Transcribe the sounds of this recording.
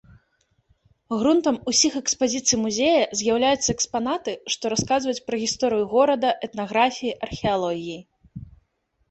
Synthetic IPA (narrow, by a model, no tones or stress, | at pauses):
ɣɾunt̪ɐmusʲixɛkspazʲit̪sɨjmuzʲejɐzʲjawlʲajut̪sːɐɛkspanat̪ɨʂt̪ɔɾaskazvɐjut͡sʲpɾɐɣʲist̪ɔɾɨjuɣɔɾɐd̪ɐʔɛt̪naɣɾafʲijiʔɐrxʲɛalˠɔɣʲiji